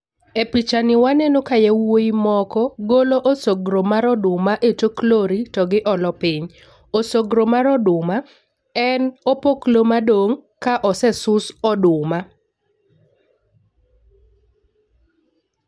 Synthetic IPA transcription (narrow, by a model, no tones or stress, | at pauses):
epit͡ʃanɪwanenokajɛwoimɔkɔɡoloʔosoɡɾomaɾɔdʊmaʔetokloɾitɔɡɪʔɔlɔpɪɲ | osoɡɾomaɾɔdʊma | ɛnopoklomadoŋkaʔɔsɛsʊsɔdʊma